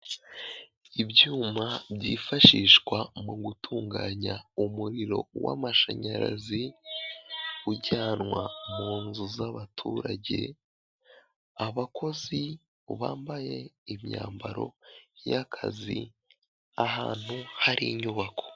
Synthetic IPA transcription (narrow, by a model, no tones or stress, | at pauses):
ibjuːmabɟiːfaʃiːʃkwamuɡutʰuːŋɡaːɲaumuɾiɾo̞̰wa̰maʃaɲaɾa̰zi | uɟaːnŋwamuːnzuzaβatʰuːɾaɟe̞̰ | aβakʰo̞zi | βaːmbaje̞imɲaːmbaɾo̞̰jakʰa̰zḭ | ahaːn̥huhaɾḭɲuβakʰo̞̥